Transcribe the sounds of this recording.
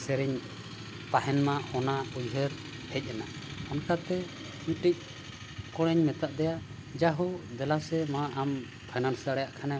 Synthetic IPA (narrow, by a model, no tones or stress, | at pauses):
sɛɾiɲ | p̪aɦɛnmaɔnaujɦɛɾ | hɛc̚ˀɛna | ɔnkat̪ɛ | uʈic̚ˀ | kɔɽ̃ɛɲmɛt̪aʔd̪ɛja | d͡ʒaɦɔd̪ɛlasɛmaʔam | pʰajnansdaɽɛjaʔkʰanɛ